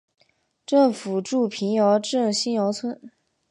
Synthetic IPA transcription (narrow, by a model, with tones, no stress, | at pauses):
ʈ͡ʂɤ˥˩ŋfu˨˩ʈ͡ʂu˥˩pʰi˧˥njɑ˧˥ʊʈ͡ʂɤ˥˩ŋɕi˥njɑ˧˥ʊt͡sʰwə˥n